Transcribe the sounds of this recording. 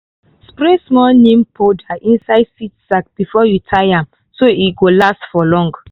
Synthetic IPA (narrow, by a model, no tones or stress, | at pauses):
spɹesmɔlnẽmpʰodaʔĩnsaɪdsitsak̚b̥ifɔjutʰaɪãm | soiɡolastfɔlɔ̃ŋɡ